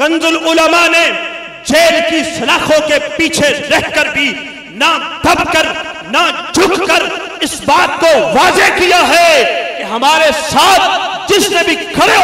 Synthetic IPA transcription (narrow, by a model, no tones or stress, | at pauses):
ɣɐ̃nzʊlʊləmane | d͡ʒeːɾkisɐlaːxõkepiːt͡ʃʰeɾɐɦkɐɾbʱi | nad̪ʱɐb̚kɐɾ | nad͡ʒʱʊkkɐɾ | ɪsbaːt̪koʋaːzekijaɦɛkeɦɐmaːɾesaːt̪̚ʰd͡ʒɪsnebʱikʰɐɾe